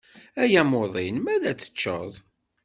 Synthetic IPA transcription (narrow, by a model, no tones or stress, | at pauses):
æjæmoðˤinmæðæt͡sːə̥t͡ʃːə̰ðˤ